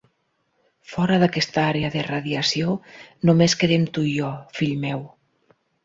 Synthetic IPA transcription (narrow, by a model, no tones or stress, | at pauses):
fɔɾaðakɛst̪aaɾeaðeraðiasionomeskeɾemt̪uʒɔfiʎmɛw